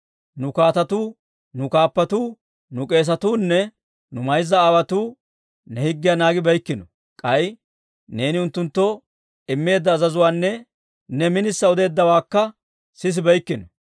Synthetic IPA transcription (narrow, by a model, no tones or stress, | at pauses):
nʊkaːt̪ɐt̪uː | nʊkaːpːɐt̪uː | nʊkʼe̞ːs̬ɐt̪uːnːɛ | nʊmɐjzːɐːwɐt̪uː | nɛhɪɡːɪjanaːɡɪbɐjkːɪnɔ | kʼɐj | ne̞ːnɪʊnt̪ːʊnt̪ːɔ | ɪmːe̞ːd̪ːɐːzɐzʊwaːnːɛ | nɛmɪnɪsːɐɔd̪e̞ːd̪ːɐwaːkːɐ | sɪs̬ɪbɐjkːɪnɔ